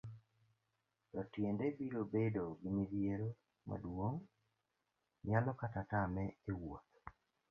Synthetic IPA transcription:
ɾɔtjendebiɾobedoɡimidjeɾo | ma̰dwoŋ | jalɔkatatamɛewot̪

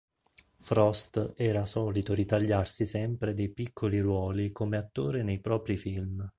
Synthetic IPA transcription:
fɾɔst̪ɛːɾasɔːlit̪oɾit̪aʎːarsisɛmpɾed̪ejpikʰːoliɾwɔːlikomeat̪ːoːɾenejpɾɔːpɾifilm

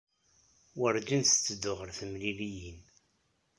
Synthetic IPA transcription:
wəɾd͡ʒinst͡sːəd̪ʊʁəɾθəmlilijin

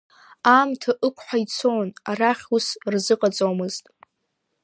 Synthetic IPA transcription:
aːmtʰaʔɨkʷʰʼħʷᶣajt͡sʰonaraχʲusrzɨqʼat͡sʼomɨztʼ

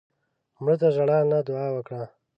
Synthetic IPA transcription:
mɽət̪aʒaɽanad̪ʊɑːwəkɽa

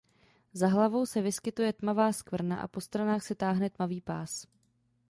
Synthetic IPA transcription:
zaɦlavo̞wsɛvɪskɪt̪ujɛt̪mavaːskvr̩na̰ʔa̰po̞st̪ɾanaːxsɛt̪aːɦnɛt̪maviːpaːs

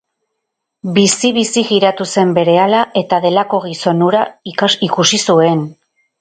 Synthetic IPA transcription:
bisiβ̞isiɣiɾat̪use̞mbe̞ɾe̞alaʔe̞t̪aðe̞lako̞ɣ̞iso̞nuɾaiikusisue̞n

